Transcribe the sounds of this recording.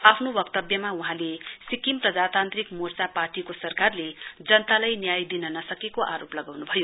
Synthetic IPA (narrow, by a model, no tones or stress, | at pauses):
apʰnobʌkt̪ʌbjʌmauɦãlesikimprʌd͡zat̪ant̪rikmort͡saparʈikosʌrkarled͡zʌnt̪alajnjajd̪inʌnʌsʌkekoʔaɾoplʌɡawnubʱʌjo